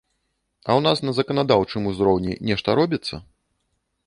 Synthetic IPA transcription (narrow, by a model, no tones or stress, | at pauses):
ɐwnasnɐzɐkɐnad̪awt͡ʂɨmuzɾɔwnʲɛ̰nʲɛʂt̪ɐɾɔbʲit̪sːɐ̰